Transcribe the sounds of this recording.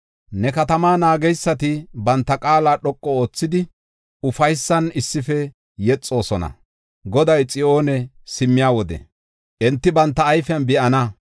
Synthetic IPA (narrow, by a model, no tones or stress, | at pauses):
nɛkɐt̪ɐmaːnaːɡɛjsːɐt̪ɪbɐnt̪ːɐkʼaːlaːɗɔkʼːɔo̞ːt͡sːɪd̪ɪ | ʊfɐjsːɐnɪsːɪfɛ | jɛt͡sʼːo̞ːsɔnɐ̰ | ɡɔd̪ɐjt͡sʼɪʔo̞ːnɛ | sɪmːɪjaːwɔd̪ɛ̰ | ʔɛnt̪ːɪbɐnt̪ːɐːjfɪɐnbɪʔɐnɐ